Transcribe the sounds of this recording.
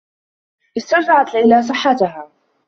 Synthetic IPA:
ʔɪst̪ad͡ʒaʕat̪lajlaːsˤɨħːat̪ʊɦaː

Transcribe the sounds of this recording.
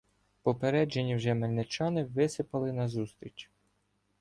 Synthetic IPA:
pɔpeɾɛd͡ʒenʲːiwʒɛmelʲnet͡ʃɑnɪʋɪsɪpɐlˠɪnɐzust̪ɾʲit͡ʃ

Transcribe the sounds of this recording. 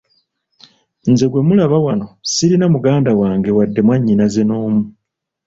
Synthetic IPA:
nze̞ɡwe̞mulaβawano̞siɾinamuɡaːndawaːŋɡe̞wadːe̞mwaɲːinazenoːmu

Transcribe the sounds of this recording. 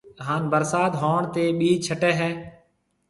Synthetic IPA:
ɦaːnbəɾsaːd̪ɦoːɳt̪eːɓiːt͡ʃʰəʈɛːɦɛː

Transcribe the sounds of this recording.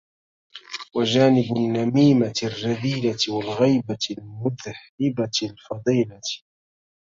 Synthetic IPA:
wad͡ʒaːnɪbʊnːamiːmarːaðiːlawalɣajbalmʊðhɪbalfɑd̪ˤiːla

